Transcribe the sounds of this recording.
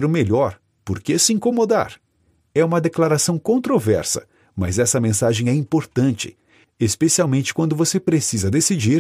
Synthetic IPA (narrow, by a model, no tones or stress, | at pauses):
ɾʊmeʎɔɾ | poɾkesɪĩŋkomod̪a̰ɾ | ɛũmɐd̪eklaɾasɐ̃w̃kõnt̪ɾovɛɾsɐ̰ | mɐ̰zɛsɐmẽsaʒẽj̃ɛĩpoɾt̪ɐ̃nt͡ʃɪ̥̰ | espesiawmẽnt͡ʃɪ̥kwɐ̃nd̪ʊvosepɾesizɐd̪esid͡ʒiɾ